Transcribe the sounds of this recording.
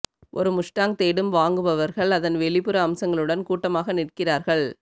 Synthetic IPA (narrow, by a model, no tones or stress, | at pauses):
ʔɔɾɯmʊʂʈaːŋt̪eːɽɯmʋaːŋɡɯʋɐʋɐɾɣɐɭɐðɐnʋɛɭɪpɯɾɐːmsɐŋɡɐɭɯɽɐnkuːʈːɐmaːɣɐnɪʈkɪraːɾɣɐɭ